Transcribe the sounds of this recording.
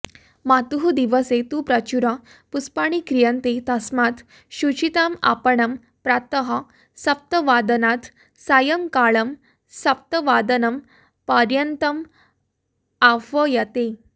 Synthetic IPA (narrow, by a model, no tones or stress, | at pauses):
mat̪uɦud̪iʋəset̪upɾɐt͡ɕuɾa | puspaɳ̃ikɾijənt̪et̪ɐsmat̪ | ɕut͡ɕit̪ama̰pəɳɐm | pɾat̪əɦa | sɐp̚t̪əʋad̪ənat̪ | sajəmkaɭəm | sɐp̚t̪əʋad̪ənɐm | pəɾjənt̪əm | afəjət̪e